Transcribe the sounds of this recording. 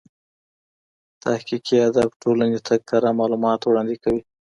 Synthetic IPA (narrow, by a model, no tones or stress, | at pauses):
t̪ahkikiad̪abʈolanet̪ʰaɡ̚ɑɾamɑlumɑt̪wɽɑnd̪ikawi